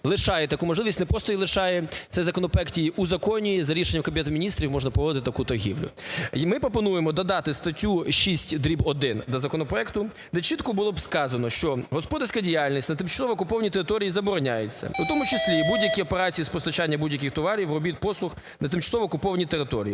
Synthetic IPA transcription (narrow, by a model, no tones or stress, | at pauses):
lˠɪʃɑjɛt̪ɐkumɔʒlɪʋistʲnɛpɾɔst̪ɔilˠɪʃɑjɛsɛzɐkɔnɔpɾɔɛktʲijiʔuzɐkɔnʲijizɐɾʲiʃenʲːɐmkɐmʲbʲɪɛt̪mʲinʲist̪ɾʲiwmɔʒnɐpɾɔʋɔd̪ɪt̪ɪt̪ɐkut̪ɐrɦʲiwlʲʊ̰mɪpɾɔpɔnujemɔd̪ɐd̪ɑt̪ɪst̪ɐtʲuʃisʲtʲd̪ɾʲibɔd̪ɪnd̪ɐzɐkɔnɔpɾɔɛkt̪ʊ | d̪ɛt͡ʃit̪kɔbʊlˠɔbskɑzɐnɔʃt͡ʃɔɦɔspɔd̪ɐrʲsʲkɐdʲijalʲnʲisʲtʲnɐt̪ɪmt͡ʃɐ̥sɔʋɔːkʊpɔʋɐnʲit̪eɪt̪ɔɾʲijizɐbɔɾɔnʲajet͡sʲːɐ̰ut̪ɔmʊt͡ʃɪsʲlʲibudʲjɐkʲiɔpeɾɑt͡sʲijispɔst̪ɐt͡ʃɑnʲːɐbudʲjɐk̬ʲɪxt̪ɔʋɑɾʲiwrɔbʲit̪̚pɔslˠʊx | nɐt̪ɪmt͡ʃɐ̥sɔʋɔːkʊpɔʋɐnʲit̪eɾɪt̪ɔɾʲḭji